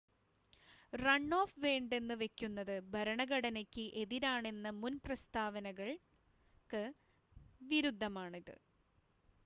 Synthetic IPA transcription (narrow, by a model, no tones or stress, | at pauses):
rɐɳːo̞ːfʋeːɳɖe̞nːɨʋe̞kʲːunːɐðɨbʱɐɾɐɳɐɣɐɽɐnɐkʲːɨʔe̞ðiɾaːɳe̞nːɐmunprɐst̪ʰaːʋɐnɐɣɐɭ | kɨ | ʋiɾud̪ʱːɐmaːɳiðɨ̰